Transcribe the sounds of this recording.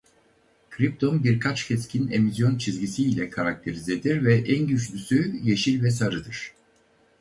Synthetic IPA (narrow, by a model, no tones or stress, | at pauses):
kʰɾipt̪ʰo̞nbiɾkʰat͡ʃcʰɛscʰine̞misjo̞nt͡ʃʰizɟisiːlʲɛkʰaɾak̚t̪ʰe̞ɾize̞d̪iɾvɛʔænɟyt͡ʃlʲysyje̞ʃilʲvɛsaɾɯd̪ɯɾ̥